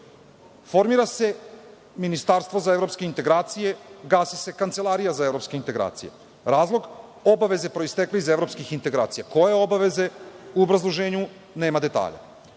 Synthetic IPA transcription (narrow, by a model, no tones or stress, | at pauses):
fo̞ɾmiɾase̞ | minist̪aɾst̪vʋo̞zaevɾopskeint̪e̞ɡɾaːt̪sije̞ɡaːsise̞kant̪e̞lˠaɾijazaevɾo̞pskeint̪eɡɾa̰ːt̪sije̞̰ | ɾaːzlˠo̞ɡ | obaʋe̞ze̞pɾo̞ist̪ekleizevɾo̞pskixint̪e̞ɡɾa̰ːt̪sijako̞je̞obaʋe̞ze̞uobɾazlˠoʒe̞ːɲu | ne̞ːmad̪e̞t̪a̰ːʎa̰